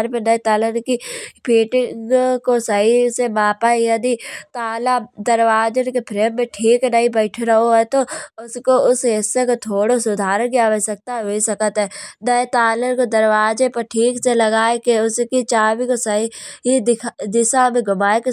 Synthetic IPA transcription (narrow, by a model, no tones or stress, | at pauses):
ɾpẽnɐet̪aːlənkipiːʈɪ̃kosɐɦisemaːpaijɐd̪it̪aːlad̪əɾwaːd͡ʒənkepʰɾeːmːẽʈʰiːknəɦĩbɛɪʈʰeɾɐɦoɦɛt̪oʊskoʊsɦɪsːekot̪ʰoːɽosʊd̪ʱaːɾəkijaʋesɐk̚t̪aɦoisɐkət̪ɦɛnəet̪aːlənkod̪əɾwaːd͡ʒepɐɾʈʰiːkselɐɡaːekeʊskit͡ʃaːʋikosɐɦiɦid̪ʰd̪ɪʃamẽɡʊmaːeke